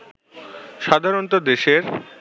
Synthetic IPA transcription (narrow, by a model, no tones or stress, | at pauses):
ʃad̪ʱaɾont̪od̪eʃeɾ